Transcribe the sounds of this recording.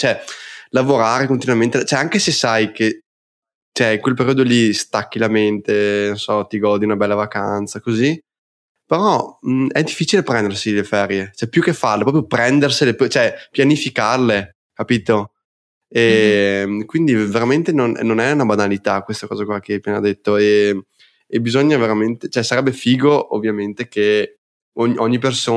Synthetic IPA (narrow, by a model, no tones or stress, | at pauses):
t͡ʃoɛlavoɾaːɾekont̪inwament̪et͡ʃɛaŋkesesːajke | t͡ʃɛiŋkwelpeɾiːod̪olist̪akːilament̪enonsɔt̪iɡɔd̪iunabɛlːavakant̪sakozi | peɾɔɛd̪ifːit͡ʃilepɾɛnd̪ersilefɛɾjet͡ʃɛpjukːefːarlepɾɔp̬jopɾɛnd̪erselept͡ʃoɛpjanifikarle | kapiːt̪o | e | kwind̪iveɾament̪enon̰nonɛunabanalit̪akwest̪akɔːzakwlːakepiːnad̪et̪ːoe | ebizɔɲːaveɾament̪et͡ʃoɛsaɾɛbːefiːɡoʔovːjament̪eke | oʔɔɲːipersoː